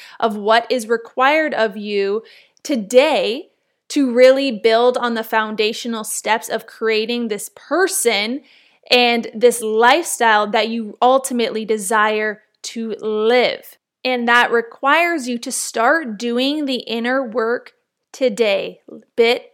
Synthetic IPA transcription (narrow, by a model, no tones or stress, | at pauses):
ʔʌvwʌɾɪzɹɨkʰw̥aɪə˞ɾʌvjʉ | tʰɨdeɪ | ɾʰɨɹɪlˠibɪlˠdn̩ðəfãʊ̃ndeɪʃɨn̩l̩ˠstɛpsʌv̥kʰɹ̥ieɪɾɪ̃ŋðɪspʰɜ˞sɨ̃n | ʔɨ̃nðɪslaɪfstaɪlˠðɨt͡ʃɨʌlˠtʰɨmɨʔlidɨzaɪə˞ | ɾɨlɪv̥ | ɨ̃nðəʔ̚ɹɨkʰw̥aɪə˞zjɨɾɨstɑɹt̚d̥ʉɪ̃ŋðiʔɪ̃nə˞wɜ˞k | tʰɨdeɪb̥ɪt̚